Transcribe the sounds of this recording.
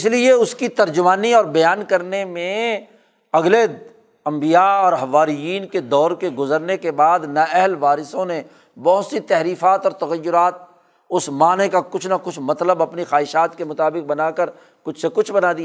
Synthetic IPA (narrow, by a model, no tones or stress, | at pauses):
ɪslieʊskit̪ɐɾd͡ʒʊmaːniɔːɾbɐjaːnkɐɾnemẽ | ɐɡle | ɐ̃mbijaɔːɾɦɐʋaːɾijiːnked̪ɔːɾkeɡʊzəɾnekebaːd̪naɛɦlʋaːɾɪsõne | bɔɦʊt̪sit̪ɛɦɾiːfaːt̪ɔːɾt̪ɐɣəjːʊɾaːt̪̚ | ʊsmaːnekakʊt͡ʃʰnakʊt͡ʃʰmɐt̪ləbɐpnixaːɦɪʃaːt̪kemʊt̪aːbɪk̚bɐnaːkəɾ | kʊt͡ʃʰsekʊt͡ʃʰbɐnaːd̪ia